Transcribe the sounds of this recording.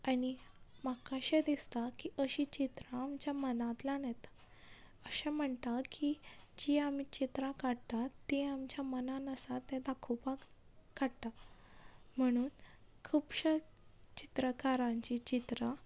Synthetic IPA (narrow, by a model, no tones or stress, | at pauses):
aɽimakaɕed̪ist̪akiʔəɕit͡ɕit̪ɾãːmt͡ɕjamənãt̪lanɛt̪ | əɕɛ̃m̤əɳt̪akid͡ʑiamit͡ɕit̪ɾãkaɽt̪at̪ːeamt͡ɕjamənanəsat̪ːɛ̃d̪akʰupaɡkaɽt̪a | m̤əɽ̃uːnkʰuːpɕə | t͡ɕit̪ɾəkaɾãɲt͡ɕit͡ɕit̪ɾa